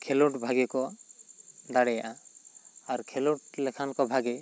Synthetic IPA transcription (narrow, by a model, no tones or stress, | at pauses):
kʰeluʈbʱaɡɛkɔ | d̪aɽɛjaʔa | aɾkʰeluʈlɛkʰankɔbʱaɡɛ